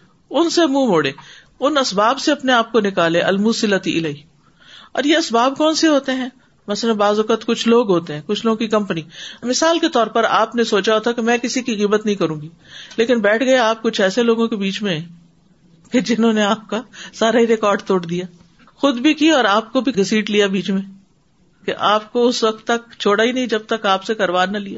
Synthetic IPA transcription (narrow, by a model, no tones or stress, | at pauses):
ʊnsemũːmoːɽeː | ʊnɐsbaːbseɐpneaːp̚konɪkaːleʔɐlmuːsɪlət̪iʔɪlaːiː | ɔ̰ːɾjeɐsbaːbkɔːnseɦoːt̪eɦɛ̃ː | mɐsələ̃baːzʊkət̪kʊt͡ʃʰloːɡɦoːt̪eɦɛ̃kʊt͡ʃʰloːɡõkikɐ̃mpnimɪsaːlket̪ɔːɾpɐɾaːpnesoːt͡ʃaɦot̪ʰakemɛ̃ːkɪsikiɣiːbət̪nɐɦĩkɐɾũːŋɡi | leːkɪnbɛːʈʰɡɐeaːp̚kʊt͡ʃʰɛːseloːɡõkebiːt͡ʃmẽɛ̃ | ked͡ʒɪnɦõːneaːp̚kasaːɾaɦiɾekɔːɾɖt̪oːɽd̪ijaː | xʊd̪bʱikiɔːɾaːp̚kobʱiɪsiːʈlijabiːt͡ʃmẽ | keʔaːp̚koʊsʋɐk̚t̪ːɐk̚t͡ʃʰoːɽaɦinɐɦĩd͡ʒɐb̚t̪ɐkaːpsekɐɾʋaːnːɐlijaː